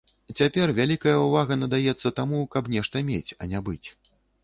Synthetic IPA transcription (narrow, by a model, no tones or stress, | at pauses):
t͡sʲapʲɛrvʲalʲikɐjɐuvaɣɐnɐd̪ajɛt̪sːɐt̪amukɐpnʲɛʂt̪ɐmʲet͡sʲɐ̰nʲabɨt͡sʲ